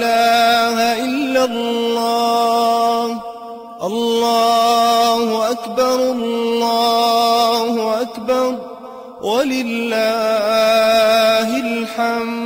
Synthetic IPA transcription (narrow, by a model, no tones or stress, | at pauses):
aːhaʔɪlːalːɑ | h | ʔɑlːɑːhʊʔakbɑɾˤllːɑːhʊʔakbɑɾˤ | walɪlːa | ɦɪlħam